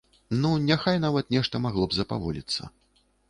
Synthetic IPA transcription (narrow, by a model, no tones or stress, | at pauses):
nunʲaxajnavɐt̪nʲɛʂt̪ɐmaɣlˠɔbzɐpa̰vɔlʲḭt̪sːɐ̰